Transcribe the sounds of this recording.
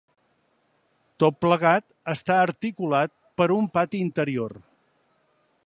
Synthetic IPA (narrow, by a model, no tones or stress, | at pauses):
t̪ot̪̚pləɣ̞at̪ | əst̪aəɾt̪ikulat̪̚pəɾumpat̪iint̪əɾior